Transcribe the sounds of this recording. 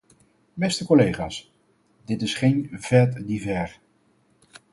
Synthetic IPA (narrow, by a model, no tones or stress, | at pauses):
bɛstəkɔlejχa̰ːs | dɪtɪsχejnv̥ɛɹtdivɛr